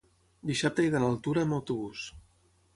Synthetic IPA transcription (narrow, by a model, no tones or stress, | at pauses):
d̪isap̚t̪əiðənəlˠt̪uɾəːməwt̪uβus